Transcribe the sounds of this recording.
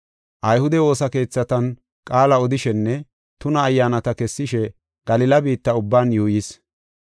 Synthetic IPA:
ʔɐjhʊd̪ɛwo̞ːsɐke̞ːt͡sːɐt̪ɐn | kʼaːlɐɔd̪ɪʃɛnːɛ | t̪ʊnɐːjːaːnɐt̪ɐkɛsːɪʃɛ | ɡ̥ɐlɪlɐbiːt̪ːɐʊbːaːnjuːjɪs

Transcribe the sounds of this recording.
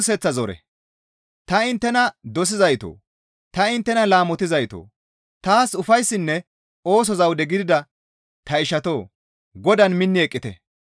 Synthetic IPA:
sɛt͡sːɐzɔɾɛ̰ | t̪ɐɪnt̪ːɛnɐd̪ɔs̬ɪzɐjt̪o̰ː | t̪ɐɪnt̪ːɛnɐlaːmɔt̪ɪzɐjt̪o̰ː | t̪aːsʊfɐjsːɪnːɛ | o̞ːs̬ɔzɐwd̪ɛɡɪd̪ɪd̪ɐ | t̪ɐɪʃɐt̪o̞ː | ɡɔd̪ɐnmɪnːɪɛkʼːɪt̪ɛ̰

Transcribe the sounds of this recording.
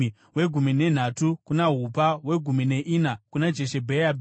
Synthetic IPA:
we̞ɡʱumine̞n̤atukunaɦupawe̞ɡʱumine̞ʔinakunad͡ʒeʃe̞bʱeab

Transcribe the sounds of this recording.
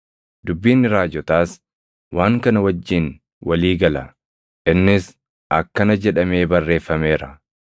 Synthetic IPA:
d̪ʊbːiːnːɪɾaːd͡ʒɔt̪aːs | waːŋkɐnɐwɐd͡ʒːɪn | wɐliːɡɐlɐ | ʔɪnːɪs | ʔɐkːɐnɐd͡ʒɛᶑɐme̞ːbɐrːe̞ːfːɐme̞ːɾɐ

